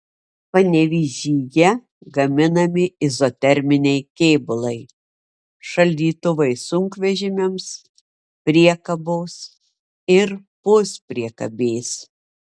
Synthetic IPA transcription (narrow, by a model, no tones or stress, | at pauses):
pɐnʲɛʋʲiːʒʲiːjɛ | ɡɐmʲɪnɐmʲɪɪzot̪ʲɛɾʲmʲɪnʲɛɪkʲɛːbʊlˠɐɪ | ʃɐlʲd̪ʲiːt̪ʊʋɐɪsʊŋkʋʲɛʒʲɪmʲɛms | pʲɾʲiɛkɐboːs | ɪɾ | pʊspʲɾʲiɛkɐbʲeːs